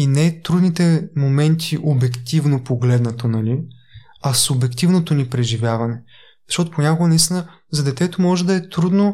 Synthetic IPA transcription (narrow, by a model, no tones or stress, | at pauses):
inɛt̪ɾud̪nit̪ɛmomɛnt̪ʰiʔobɛkt̪ivnopoɡlɛd̪nɐt̪onɐli | ɐsʊbɛkt̪ivnot̪onipɾɛʒivjavɐnɛ | z̥ɐʃtɔt̪oponʲakoɡənɐist̪ʲinə | zɐd̪ɛt̪ɛt̪omɔʒɛd̪ɐɛt̪ɾud̪no